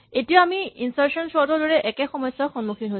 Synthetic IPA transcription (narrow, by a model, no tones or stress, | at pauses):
etijaamiinsaɹsɔnsɔdɔɹdɔɹɛʔɛkɛxɔmɔjsɔxɔnmuxʰinɦo